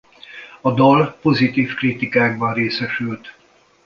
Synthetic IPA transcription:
ɒd̪ɒlpo̞zit̪iːfkrit̪ikaːɡ̚bɒnreːsɛʃylt̪

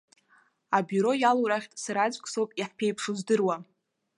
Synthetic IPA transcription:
abuɾo̞jaloɾaχʲtʼsaɾad͡ʒʷʼkʼsowpʼiħpʰejpʰʂuzdɨrwa

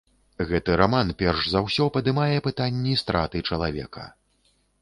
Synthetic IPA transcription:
ɣɛt̪ɨɾamanpʲɛrʐzawsʲɔpɐd̪ɨmajɛpɨt̪anʲːist̪ɾat̪ɨt͡ʂɐlˠavʲɛ̰kɐ̰

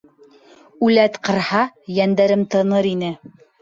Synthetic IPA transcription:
ʉlæt̪qɤ̆ɾhɑjænd̪æɾɘmt̪ɤ̆nɤɾinɘ

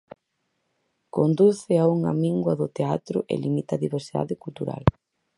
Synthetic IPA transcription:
kond̪uθɪauŋa̰miŋɡwɐðʊt̪eat̪ɾʊʔḛlimit̪aðiβeɾsiða̰ðɪkult̪uɾa̰l

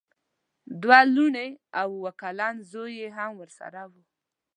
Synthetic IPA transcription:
d̪waluɳeawwakalɑnzojeɦamwəɾsa̰ɾawu

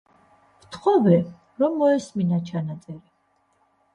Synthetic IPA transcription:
vt̪ʰχɔvɛ | ɾɔmːɔɛsminat͡ʃʰanat̪sʼɛɾi

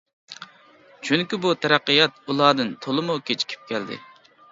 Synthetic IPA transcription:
t͡ʃʰyŋkʲibut̪ʰɛɾɑqːəjɑt̪̚ulˠɑːd̪ɨnt̪ʰolˠɨmukʲʰet͡ʃʰi̥kʲʰi̥p̚kʲʰɛld̪ɪ̰ | i

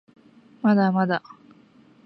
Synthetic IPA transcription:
mad̪amad̪a

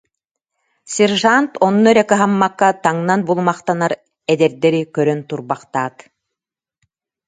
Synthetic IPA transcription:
sʲɛɾʒant̪ɔnːuɛɾɛkɛɦamːakːat̪aŋnanbulˠumaχt̪anaɾ | ɛd̪ɛɾd̪ɛɾikœɾœnt̪uɾbaqt̪aːt̪

